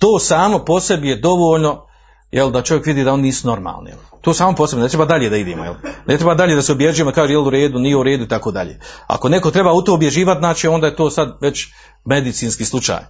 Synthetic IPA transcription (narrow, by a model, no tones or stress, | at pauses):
t̪oːsaːmo̞po̞se̞bijed̪o̞ʋoːʎno̞ | jʔeld̪at͡ʃo̞ʋje̞kʋid̪iːd̪ao̞nniːsuno̞ɾma̰ːlˠnḭjelt̪oːsaːmoposebmnet̪ɾe̞baːd̪aʎeːd̪aid̪eːmojelne̞t̪ɾebaːd̪aʎeːd̪aseobjeʒujemod̪akaːʒejeluɾe̞ːd̪unijeuɾeːd̪uit̪akoːd̪aʎḛːa̰ko̞ne̞kot̪ɾe̞baːut̪oːobje̞ʒiːʋat̪zaːt͡ʃio̞nd̪aːjet̪oːsad̪ʋe̞t͡ɕ | med̪it̪siːnskiːslˠut͡ʃa̰ːj